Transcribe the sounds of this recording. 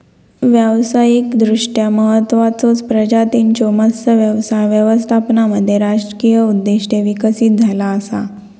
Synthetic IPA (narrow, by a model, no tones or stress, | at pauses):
ʋjəʋsajikd̪ɾuʂʈjaməɦət̪ːʋat͡sot͡spɾəd͡ʑat̪int͡ɕoməsəʋjəʋsajʋjəʋəst̪ʰapnaməd̪ʱːjeɾad͡ʑɾəkijəud̪ːeɕʈeʋikəsiːt̪̚d͡zʱalaəsa̰